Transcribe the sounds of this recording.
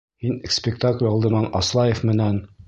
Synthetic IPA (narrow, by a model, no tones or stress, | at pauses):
minspʲɪkt̪aklʲɒlˠd̪ɤ̆mɑnɒ̰slˠɑjefmɘ̆næn